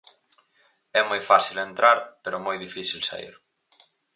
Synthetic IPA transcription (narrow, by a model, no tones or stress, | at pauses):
ɛmojfasilent̪ɾʔaɾpeɾʊmojðifisilsa̰ḭɾ